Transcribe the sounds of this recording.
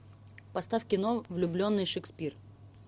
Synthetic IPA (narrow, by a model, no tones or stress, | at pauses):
pɐst̪afkʲɪnovlʲʊblʲo̞nːɨjʂɨkspʲir